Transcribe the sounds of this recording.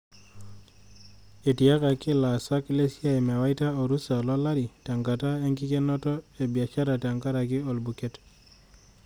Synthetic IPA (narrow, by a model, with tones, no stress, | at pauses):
e˨ti˨a˦ka˨kɪ˦la˨sa˦kle˦sja˦e˨ma˨wa˦ɪta˦o˨ɾu˦sa˨lɔ˦la˦ɾi˨ta˨ŋɡa˨ta˦e˦ŋɡɪ˦ke˦nɔ˦tɔ˦e˨bja˨t͡ʃa˦ɾa˨ta˨ŋɡa˦ɾa˨kɪ˦o˨lbu˨ke˦t